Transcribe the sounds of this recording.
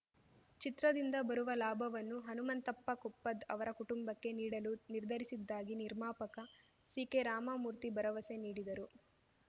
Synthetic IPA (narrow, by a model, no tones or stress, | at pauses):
t͡ʃit̪ɾɐd̪ind̪ɐbɐɾuʋɐlaːbʱɐʋɐnːuɦɐnumɐnt̪ɐpːɐkupːɐd̪ɐʋɐɾɐkuʈumbɐkːe̞niːɽɐluniɾd̪ʱɐɾisid̪ːaːɡiniɾmaːpɐkɐ | siːke̞ɾaːmamuːɾt̪ibɐɾɐʋɐse̞niːɽid̪ɐɾu